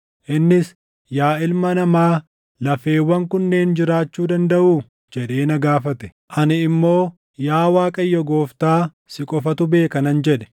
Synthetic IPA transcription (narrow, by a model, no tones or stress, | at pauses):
ʔɪnːɪs | jaːɪlmɐnɐmaː | lɐfe̞ːwːɐŋkʊnːe̞ːnd͡ʒɪɾaːt͡ʃːuːd̪ɐnd̪ɐʔuː | d͡ʒɛᶑe̞ːnɐɡaːfɐt̪ɛ̥ | ʔɐnɪɪmːo̞ː | jaːwaːkʼɐjːɔɡo̞ːft̪aː | sɪkʼɔfɐt̪ʊbe̞ːkɐnɐnd͡ʒɛᶑɛ̥